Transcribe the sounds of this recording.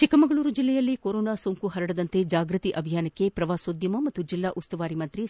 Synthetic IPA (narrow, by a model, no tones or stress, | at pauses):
t͡ʃikɐmɐɡɐɭuːɾud͡ʒilːɛjɐlːikoɾoːnaːsoːŋkuɦɐɾɐɽɐd̪ɐnt̪e̞d͡ʒaːɡɾɨt̪iʔɐbʱijaːnɐkːe̞pɾɐʋaːsoːd̪jɐmɐmɐt̪ːud͡ʒilːaːʔust̪ɐʋaːɾimɐnt̪ɾi